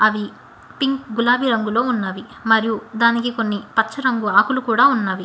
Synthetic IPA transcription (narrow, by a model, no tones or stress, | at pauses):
ɐʋi | piŋkɡulaːbiɾɐŋɡulo̞ːunːaːʋi | mɐɾijud̪aːnikiko̞nːipɐt͡ʃːt͡ʃːɐɾɐŋɡuaːkulukuːɽaːunːaːʋi